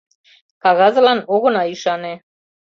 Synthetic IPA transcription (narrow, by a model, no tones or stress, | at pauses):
kaɣazlanɔɣonaiʃanɛ